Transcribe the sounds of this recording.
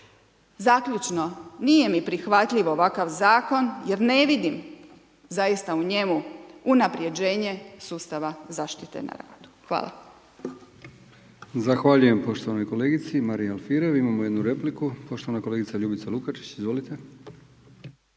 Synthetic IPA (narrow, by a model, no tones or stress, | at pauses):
zakʎut͡ʃno̞nije̞mipɾixʋat̪ʎiʋoːʋakaʋzaːko̞nje̞ɾne̞ʋid̪im | zajist̪auɲe̞muunapɾje̞d͡ʑe̞ːɲe̞suːst̪aʋazaːʃt̪it̪e̞̰na̰ɾa̰ːd̪̥u̥xʋa̰ːla̰ | zaxʋaʎuje̞mpo̞ʃt̪oʋano̞jko̞leːɡit̪simaɾijalfiɾe̞ʋimamoje̞d̪nuɾe̞plikupo̞ʃt̪o̞ʋanakole̞ɡit̪saʎubit̪salukat͡ʃi̥t͡ɕizʋo̞lit̪e̞